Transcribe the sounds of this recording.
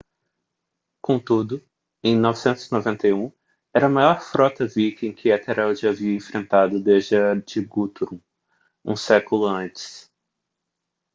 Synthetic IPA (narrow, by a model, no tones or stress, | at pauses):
kõt̪ud̪ʊ | ẽj̃nɔvɪsẽnt̪ʊzinovẽnt̪ɐjũ | ɛɾɐmajɔɾfɾɔt̪ɐvikẽj̃kʰɪɛt̪eɾɛwd͡ʒɪaviɐẽfɾẽnt̪ad̪ʊd̪ezd͡ʒɐd͡ʒɪɡut̪uɾũ | ṵ̃sɛkʊlʊɐ̃nt͡ʃɪ̥s